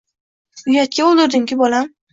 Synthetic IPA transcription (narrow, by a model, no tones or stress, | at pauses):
ʊjat̪̚kʲaolˠd̪ɪɾd̪ɪŋkʲɪbɒlam